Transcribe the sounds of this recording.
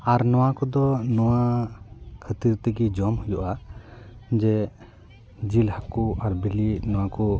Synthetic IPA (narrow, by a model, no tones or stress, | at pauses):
aɾnɔwakɔd̪ɔnɔwa | kʰət̪iɾt̪ɛɡid͡ʒɔmhujɔʔa | d͡ʒɛ | d͡ʒilhakuʔaɾbiliʔnɔwakɔ